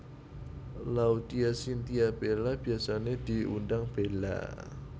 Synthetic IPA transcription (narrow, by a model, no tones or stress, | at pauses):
laud̪iasint̪iab̥elab̥iasaned̪̥iṵndaŋb̥ela̰